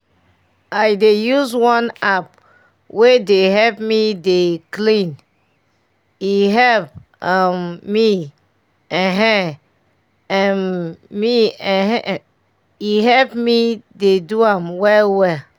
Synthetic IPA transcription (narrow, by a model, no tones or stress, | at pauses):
ʔajdejuzwɔ̃nap̚ | wedeɦɛlpmideklĩn | iɦɛlp̚ | amːi | ɛ̃ɦɛ̃ | ɛ̃nmiɛ̃ | iɦɛpmideduãmwɛlwɛ